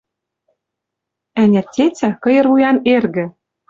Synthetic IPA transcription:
ænʲæt̪ʲːet͡sʲækɤ̆jɤ̆rvujɑnerɣɘ̆

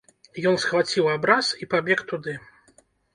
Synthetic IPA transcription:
jɔnsxvat͡sʲiwabɾasipabʲɛkt̪ud̪ɨ

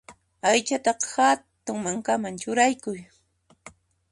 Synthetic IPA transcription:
ajt͡ʃat̪ɑqhat̪ʊŋmaŋkamaŋt͡ʃʊɾajkʊj

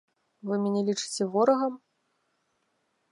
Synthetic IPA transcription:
vɨmʲɛnʲɛlʲit͡ʂɨ̥t͡sʲɛvɔɾɐɣɐm

